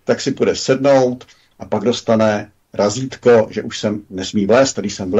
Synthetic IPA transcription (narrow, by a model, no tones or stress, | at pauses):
t̪aksɪpudɛsɛdno̞wt̪ | ʔapaɡdo̞st̪anɛ | ɾaziːt̪koʒɛʔuʃsɛmnɛsmiːvlɛːst̪adɪʃsɛmvl